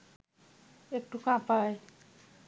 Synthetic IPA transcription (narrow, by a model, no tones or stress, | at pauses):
ek̚ʈukãpaj